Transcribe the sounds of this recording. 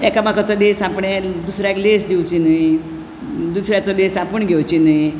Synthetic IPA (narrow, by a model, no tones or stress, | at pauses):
ɛkamakat͡sɔd̪esapɳed̪usɾjaklesd̪iwt͡ɕinəj | d̪usɾjat͡sɔd̪esapuɳɡʱewt͡ɕinəi